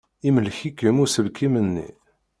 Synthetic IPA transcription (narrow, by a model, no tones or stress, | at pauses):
iməlçikːəmusəlkimənːḭ